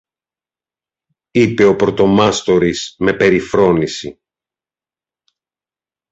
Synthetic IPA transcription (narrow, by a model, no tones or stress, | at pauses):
ipe̞o̞pɾo̞t̪o̞mɐst̪o̞ɾisme̞pe̞ɾifɾo̞nisḭ